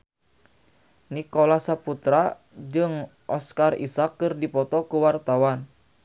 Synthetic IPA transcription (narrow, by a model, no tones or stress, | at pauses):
nikolasaput̪ɾa | d͡ʒɨŋʔɔskarḭsakːɨrdipɔt̪ɔkuwart̪awan